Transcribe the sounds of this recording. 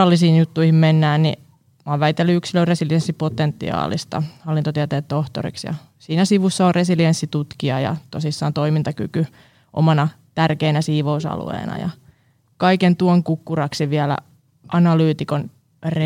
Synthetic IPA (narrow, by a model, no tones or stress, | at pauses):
ɑlːisiːnjut̪ːuihimmenːæːnnḭ | mɑːʋʋæit̪ːelːyyksiløresiliensːipot̪ent̪ːḭɑ̰ːlḭst̪ɑ̰hɑlːint̪ot̪iæt̪eːt̪t̪oht̪o̰rḭksjɑ̰ | siːnæsiʋusːɑoresiliensːit̪ut̪kiɑjɑ̰t̪osisːɑːnt̪oimint̪ɑkyky | ʔo̰mɑnɑ | t̪ærkeinæsiːʋousɑ̰lṵḛːnɑ̰jɑ̰ | kɑikent̪uoŋkukːurɑksiʋiælæ̰ | ʔɑnɑlyːt̪ikon | re